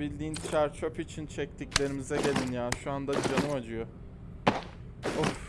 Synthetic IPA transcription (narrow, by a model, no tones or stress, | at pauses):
bilʲd̪iːnt͡ʃʰæɾt͡ʃʰopit͡ʃʰint͡ʃʰɛc̚t̪ʰiclʲe̞ɾimizɛɟe̞lʲinjaːnʃuand̪ad̪d͡ʒanɯmad͡ʒɯjo | o